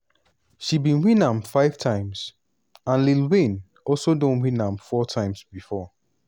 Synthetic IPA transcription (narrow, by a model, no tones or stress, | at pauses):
ʃibĩnwĩnãmfaɪv̥tʰãɪ̃mz̥ | ãnlilwĩn | ʔɔlsodõnwĩnãmfɔtʰãɪ̃mzbifɔ